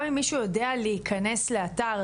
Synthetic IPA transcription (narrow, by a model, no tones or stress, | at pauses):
mimːiʃujodealeikʰɐne̞sle̞ataʁ